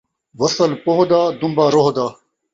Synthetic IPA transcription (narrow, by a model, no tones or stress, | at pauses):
wɐsɐlpoɦd̪aːd̪umbaːɾoɦd̪aː